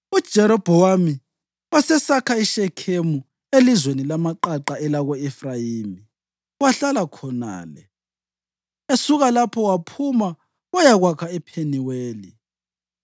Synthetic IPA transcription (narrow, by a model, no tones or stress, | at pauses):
ud̥ʒ̥ʱɛɾɔb̥ʱɔwami | wasɛsakʰaiʃɛkʰemu | elizwenilamaǃaǃaɛlaɣoɛfrajimi | waɬalakʰɔna̰ːlɛ̰ | esuɣalapʰɔwapʰuma | wajaɣwakʰaɛpʰeniweːli